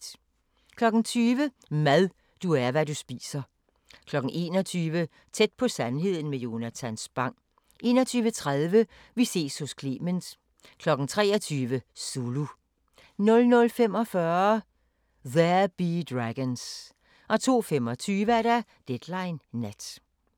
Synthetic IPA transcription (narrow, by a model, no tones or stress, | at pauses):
kʰlɒ̽ɡ̥n̩t͡sʰyːʋə | mæðˠ | d̥uæɐʋædusb̥ḭːsɐ | kʰlɒ̽ɡ̥n̩ʔe̝̰ːnɒt͡sʰyːʋə | t͡sʰed̥̚pʰɒ̽sænɦe̝ð̞̰ˠn̩mejo̝næt͡sʰænsb̥ɑ̈ŋ̰ | ʔe̝̰ːnɒ̽t͡sʰyːʋət͡sʰʁaðˠʋə | ʋise̝̰ːshɔ̽skʰle̝̰ːmənd̥ | kʰlɒ̽ɡ̥n̩t͡sʰʁɛːɒt͡sʰyːʋəsulu | nɔ̽lnɔ̽lfemɒ̽fɶɐ | ðæɐb̥id̥ʁæɡ̥əns | ʔɒ̽t͡sʰo̝̰ːfemɒ̽t͡sʰyːʋəæɐɾæ | d̥ed̥lɑ̈ɪnːæd̥